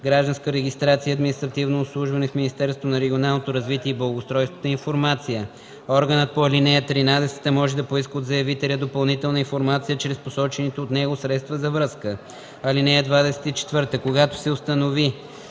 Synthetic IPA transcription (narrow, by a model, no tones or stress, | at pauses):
ɡɾaʒd̪ɐ̃nskəɾɛɡist̪ɾat̪sijəɐːd̪minist̪ɾɐt̪ivnoːpslˠuʒvɐnɛfminist̪ɛɾst̪vonɐɾɛɡʲionalˠnot̪oɾɐzvit̪iɛiblˠɐlˠɡost̪ɾɔjst̪vət̪əinfoɾmat̪sijə | ɔɾɡənət̪̚poɐlinɛɐt̪ɾinad̪ɛsɛ̥t̪əmɔʒɛd̪ɐpoiskəod̪zɐjɐvit̪ɛlʲəd̪opɐlˠnit̪ɛlˠnəinfoɾmat̪sijət͡ʃɾɛsposɔt͡ʃɛnɛt̪oːt̪nɛɡosɾɛt̪st̪vəzɐvɾɤskə | ɐlinɛɛd̪vad̪ɛsɛ̥t̪it͡ʃɛ̥t̪vɤɾt̪əkoɡat̪o̥sɛost̪ɐnovi